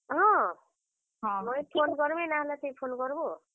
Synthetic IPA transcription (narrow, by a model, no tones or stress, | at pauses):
ɦʌ̃ | ɦmʌjpʰonɡʌɾmenaɦlat̪ejpʰonɡʌɾbo